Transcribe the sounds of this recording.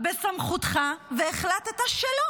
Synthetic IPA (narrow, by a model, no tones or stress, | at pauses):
besamχutχaveːχlat̪et̪aʃelo